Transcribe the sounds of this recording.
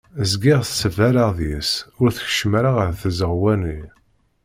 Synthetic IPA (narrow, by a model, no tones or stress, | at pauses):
əzɡiʁθsəvæɾaʁðjisʊɾθə̥çʃəmɾaʁəɾθəzəʁwæni